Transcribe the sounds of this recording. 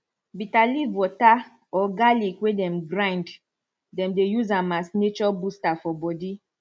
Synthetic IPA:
bitalivɔta | ɔɡalikwedɛ̃mɡɾãjnd | dɛ̃mdejuzamasnet͡ʃɔbustafɔbɔdi

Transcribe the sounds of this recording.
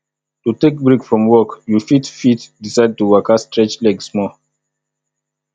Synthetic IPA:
tutek̚bɹikfɹɔ̃mwɔkjufitfitdisaɪd̚tuwakastɹɛt͡ʃlɛɡsmɔ

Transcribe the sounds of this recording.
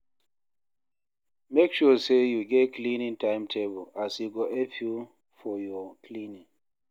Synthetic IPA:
mekʃɔsejuɡɛtklĩnĩŋtãɪ̃mtʰebɔlasjuɡɔʔefju | fɔjɔkʰlĩnĩŋ

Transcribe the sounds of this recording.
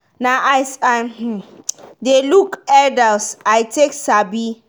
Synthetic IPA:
naʔajsah̩delukɛdalsajtʰeksabi

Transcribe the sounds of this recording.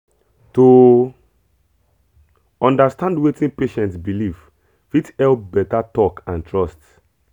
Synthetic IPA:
to | ɔ̃ndastãndwetĩnpeʃɛ̃ntsbiliv̥ | fitɛlpbɛtatɔkãntʰɹɔst

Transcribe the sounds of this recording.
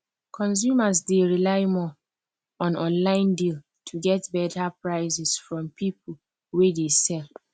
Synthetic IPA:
kʰɔ̃ns̬jumasdeɹilaɪmɔ | ɔ̃nɔ̃nlãɪ̃ndil | tʰuɡɛtbɛtapɹaɪzɛsfɹɔ̃mpip̚ʰl̩ | wedesɛl

